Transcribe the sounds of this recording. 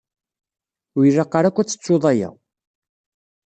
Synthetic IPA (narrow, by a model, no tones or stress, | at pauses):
wirːɑqːɑɾækʷːæt͡sːə̥t͡sːoðˤɑjæ̰w